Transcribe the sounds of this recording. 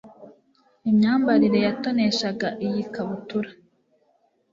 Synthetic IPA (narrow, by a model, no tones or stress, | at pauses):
imɲaːmbaɾiɾe̞jato̞ne̞ʃaɡaʔijikaβutuɾa